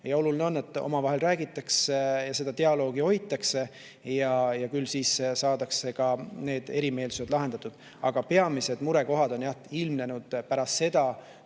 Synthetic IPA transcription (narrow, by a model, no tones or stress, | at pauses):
jɑo̞lulineo̞nːe̞t̪ːˑo̞̰mɑvɑɦe̞lræːɡit̪ːˑɑksjɑse̞d̪̥ɑt̪e̞ɑlo̞ːɡ̥io̞jt̪ːˑɑkse̞ | jɑjɑkylːsiːssɑːd̪̥ɑkse̞kɑne̞ːd̪̥e̞ɾime̞ːlsuse̞d̪lɑɦe̞nd̪̥ɑt̪ːˑud̪̥ | ɑɡ̥ɑpe̞ɑmise̞d̪muɾe̞ko̞ɦɑd̪̥o̞njɑilmne̞nud̪̥pæɾɑst̪se̞d̪̥ɑ